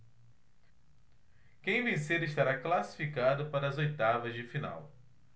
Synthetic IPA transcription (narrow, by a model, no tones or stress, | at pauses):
kẽj̃vẽj̃seɾɪʃt̪aɾaklasi̥fikad̪ʊpaɾɐːzojt̪avɐzd͡ʒɪfina̰w